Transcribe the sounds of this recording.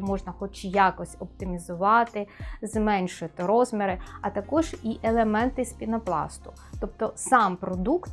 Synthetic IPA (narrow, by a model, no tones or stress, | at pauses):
mɔʒnɐxɔt͡ʃjɑkɔsʲɔpt̪ɪmʲizʊʋɑt̪ɪzmɛnʲʃɪt̪ɪɾɔzmʲɪɾɪɐt̪ɐkɔʒiʔelˠemɛnt̪ɪsʲpʲinɐplˠɑ̰st̪ʊ̥ | t̪ɔp̚t̪ɔsɑmpɾɔd̪ukt̪